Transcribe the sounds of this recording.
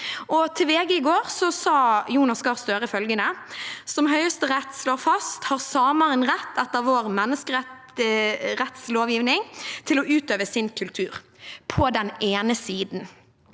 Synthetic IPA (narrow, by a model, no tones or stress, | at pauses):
ʔɔt̪ʰɪlʋeːɡəɪɡoːʁsɔsɑːjuːnɑsɡɑʁst̪øːɾəɪfœlɡənəsɔmɦœʏəst̪əʁɛt̪ːsloːfɑst̪hɑʁsɑːmɑʁənʁɛt̪ʰːɛt̪ːəɾʋoːɾmɛnːəskəɾɛ | ʁɛt̪sloːʋjiːʋnɪŋt̪ʰɪlɔʔʉːt̪øːʋəsɪnkʰʉlt̪ʰʉːʁpʰɔd̪ɛneːnəsiːd̪n